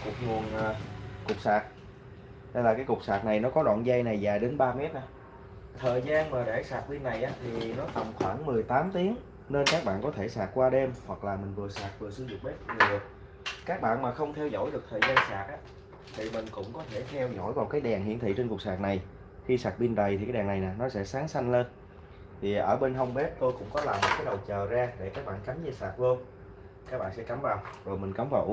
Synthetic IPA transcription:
kʊ˨˩k̚ŋu˨˩ənʔkʊ˨˩k͡p̚saː˨˩t̚ | ha˧jlaː˨˩kaː˨˦jkʊ˨˩k͡p̚saː˨˩t̚na˨˩jnɔ˨˦kɔ˨˦ɗwɔ̰ː˧˨nza˧jna˨˩jzaː˨˩jɗe˨˦nɓaː˧mɛ˦˥t̚ʔnaː˨˦ | t̪ʰəː˨˩jzaː˧nmaː˨˩ɗaː˧˩jsaː˨˩t̚ɓi˧nːa˨˩jʔaː˨˦t̪ʰi˨˩nɔ˨˦t̪ə˨˩wŋ͡mxwaː˧˩ŋmɨ˨˩əjt̪aː˨˦mt̪i˨˦əŋ | ne˧nkaː˦˥k̚ɓa̰ː˧˨nkɔ˨˦t̪ʰe˧˩saː˨˩t̚kwaː˧ɗe˧mhwa˨˩k̚laː˨˩mï˨˩ŋ̟vɨ˨˩əsaː˨˩t̚vɨ˨˩əsɨ˧zʊ̰˨˩k͡p̚ɓe˦˥t̚ɨ˨˩ɨ˨˩ət̚ | kaː˦˥k̚ɓa̰ː˧˨nmaː˨˩xə˧wŋ͡mt̪ʰɛ˧wzo̰˧˥˩jɗɨ˨˩k̚t̪ʰəː˨˩zaː˧nsaː˨˩t̚ʔaː˨˦˥ | t̪ʰi˨˩mï˨˩ŋ̟kʊ̰˧˥ŋ͡mkɔ˨˦t̪ʰe˧˩t̪ʰɛ˧wzo̰˧˥˩jvaː˨˩wkaː˨˦jɗaː˨˩ŋɦḭ˧˨ənt̪ʰḭ˧˨t͡ɕe˧nkʊ˨˩ək̚saː˨˩k̚na˨˩j | xi˧saː˨˩k̚ɓi˧nɗə˨˩jt̪ʰi˨˩aː˨˦jɗaː˨˩na˨˩jnaː˨˩nɔ˨˦sɛ̰˧˥saː˨˦ŋsa˧jŋ̟le˧n | t̪ʰi˨˩ʔəː˧˩ɓe˧nɦə˧wŋ͡mɓɛ˦˥p̚t̪o˧jkʊ̰˧˥ŋ͡mkɔ˨˦laː˨˩mo˨˩t̚kaː˨˦jɗə˨˩wt͡ɕəː˨˩zaː˧ɗe˧˩kaː˦˥k̚ɓa̰ː˧˨nka˨˦mzɛ˧˩saː˨˩k̚vəː˧ŋ͡m | kaː˦˥k̚ɓa̰ː˧˨nsɛ̰˧˥ka˨˦mvaː˨˩wzo˨˩jmï˨˩ŋ̟ka˨˦mvaː˨˩wʔ

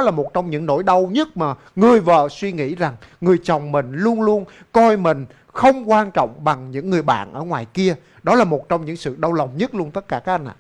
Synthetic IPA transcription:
ɔ˨˦laː˨˩mo˨˩t̚t͡ɕɔ˧wŋ͡mɲɨ̰˧˥ŋno̰˧˥jɗə˧wɲə˦˥t̚maː˨˩ | ŋɨ˨˩əjvə̰ː˧˨swi˧ŋḭ˧˥za˨˩ŋŋɨ˨˩əjt͡ɕə˨˩wŋ͡mmï˨˩ŋ̟lu˧ənlu˧ən | kɔ˧jmï˨˩ŋ̟ | xə˧wŋ͡mkwaː˧nt͡ɕɔ̰˧˨wŋ͡mɓa˨˩ŋɲɨ̰˧˥ŋːɨ˨˩əjɓa̰ː˧˨nʔəː˧˩ŋwaː˨˩jki˧ə | ɗɔ˨˦laː˨˩mo˨˩t̚t͡ɕɔ˧wŋ͡mɲɨ̰˧˥ŋsɨ̰˧˨ɗə˧wlə˨˩wŋ͡mɲə˦˥t̚lu˧ənt̪ə˦˥t̚kaː˧˩kaː˦˥k̚ʔa˧nʔa̰ː˧˩

